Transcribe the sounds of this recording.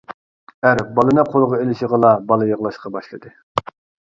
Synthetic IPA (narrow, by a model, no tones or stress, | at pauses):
æɾbɑlˠɨnɨqʰolˠʁɑelɪʃəʁəlˠɑbɑlˠɨjəʁlˠɑʃqɑbɑʃlˠɨd̪ɨ